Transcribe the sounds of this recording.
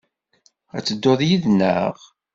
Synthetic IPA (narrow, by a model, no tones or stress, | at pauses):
æ̰t͡sːəd̪ːoðˤjiðnːəʁ